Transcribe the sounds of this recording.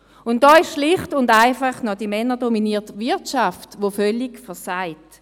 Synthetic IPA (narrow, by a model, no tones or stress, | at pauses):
ʊntdɔːɪʃʃlɪχtʊndaɪfaχnɔdimɛnədɔminiːɐtvɪɐtʃaftʋofœlikfəɐsaɪt